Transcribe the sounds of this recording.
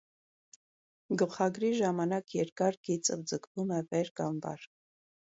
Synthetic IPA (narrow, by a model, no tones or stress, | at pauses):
ɡəlχɑɡɾiʒɑmɑnɑkjɛɾkɑɾɡit͡səvd͡zəkʰvumɛvɛɾkɑmbɑ̰ɾ